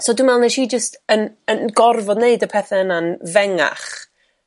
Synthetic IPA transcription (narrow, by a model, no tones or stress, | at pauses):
soɔːdumɛlˠnɛʃiːd͡ʒəstənənɡɔrvɔdneɨdəpʰɛθɛənanvɛŋa̰χ